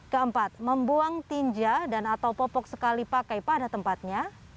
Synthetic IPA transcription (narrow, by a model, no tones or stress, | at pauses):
kəəmpat̪̚məmbuaŋt̪iɲd͡ʒadanat̪awpɔpɔk̚səkalipakajpadat̪əmpat̪̚ɲa